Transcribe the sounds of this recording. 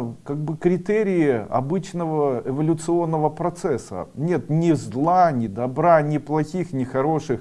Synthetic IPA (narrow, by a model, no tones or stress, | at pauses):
kaɡ̚bɨkɾʲɪt̪eɾʲɪɪɐ̰bɨt͡ɕnəvəɪvɐlʲʊt̪sɨo̞nːəvəpɾɐt̪sɛsːə̰nʲe̞t̪nʲɪzlˠanʲɪd̪ɐbɾanʲɪplˠɐxʲixnʲɪxɐɾo̞ʂɨx